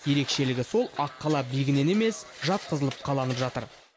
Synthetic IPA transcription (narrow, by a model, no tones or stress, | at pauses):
je̞ɾe̞kʃe̞lɪɡʲɪso̞lˠɑqːɑlˠɑbijɡʲɪne̞neme̞sʒɑt̪̚qʰəzəlˠəp̚qʰɑlˠɑnəpʒɑt̪əɾ